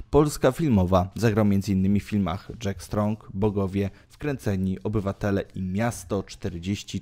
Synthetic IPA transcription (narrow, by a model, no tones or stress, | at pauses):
pɔlskafʲilmɔvazaɡɾawmjɛnd̪zɘinːɘmʲifʲilma̰xʐɛkst̪ɾɔŋkbɔɡɔvʲjɛfkɾɛnt̪sɛɲiʔɔbɘvat̪ɛlɛʔimʲjast̪ɔt͡ʂt̪ɛɾd͡ʑeɕt͡ɕi